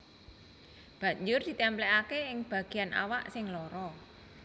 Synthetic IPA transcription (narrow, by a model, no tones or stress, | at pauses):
b̥ä̤ɲd͡ʒʊrd̪̥i̤t̪ɛmplɛkakeɪŋb̥a̤ɡ̥i̤janʔa̰waʔsɪŋlɔɾɔ